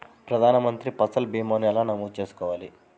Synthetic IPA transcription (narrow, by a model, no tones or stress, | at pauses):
pɾɐd̪ʱaːnɐmɐnt̪ɾipɐsɐlbiːmoːnjaːlaːnɐmuːt͡ʃe̞ːsu̥kɔːʋaːli